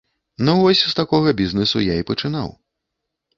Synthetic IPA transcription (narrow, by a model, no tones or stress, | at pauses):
nuvɔsʲst̪akɔɣɐbʲiznɨsujaipɐt͡ʂɨna̰w